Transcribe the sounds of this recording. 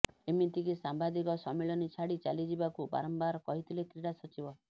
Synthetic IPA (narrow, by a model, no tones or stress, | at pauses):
emit̪ikisambad̪ikɔsɔmeɭɔnit͡ʃʰaɽit͡ʃalid͡ʒibakuba̰ɾɔmbaɾɔkɔɦit̪ʰilekɾiɽasɔt͡ʃibɔ